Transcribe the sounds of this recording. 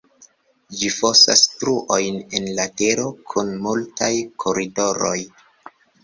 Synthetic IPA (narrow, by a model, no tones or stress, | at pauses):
d͡ʒifosa̰stɾuʔo̞jne̞nlate̞ɾo̞kʰunmultajkʰoɾido̞ɾo̞̰j